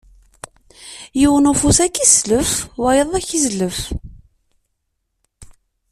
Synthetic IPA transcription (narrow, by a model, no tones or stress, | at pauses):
jiwənʊfusækːisləfwæjəðˤæçizləf